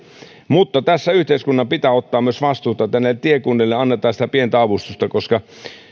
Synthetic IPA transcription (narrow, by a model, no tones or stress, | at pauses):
mut̪ːɑt̪æsːæyht̪eiskunːɑmpit̪æːot̪ːɑːmyøsʋɑst̪uːt̪ɑt̪ænːet̪iekunːelːeɑnːet̪ˑɑːsit̪æpient̪æɑʋust̪ust̪ɑkoskɑ